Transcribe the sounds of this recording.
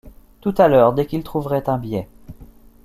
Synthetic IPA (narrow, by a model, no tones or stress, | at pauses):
t̪ut̪alœːʁd̪ɛkilt̪χuvʁɛt̪ɛ̃bjɛ